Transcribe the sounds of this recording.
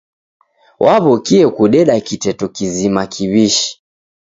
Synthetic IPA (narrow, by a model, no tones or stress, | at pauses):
wʔaβɔkiɛkuɗɛɗakitɛtɔkizimakʰiβiʃi̥